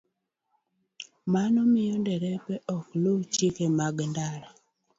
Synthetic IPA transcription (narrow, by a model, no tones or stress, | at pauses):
manɔmɪjɔndɛɾɛpɛʔɔklot͡ʃikemaɡndaɾa